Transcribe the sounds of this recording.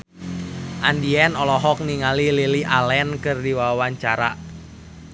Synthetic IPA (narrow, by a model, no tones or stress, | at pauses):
ʔandiɛnɔlɔɦɔk̚niŋalililiʔalɛnkɨrdiwaawaɲt͡ʃaɾa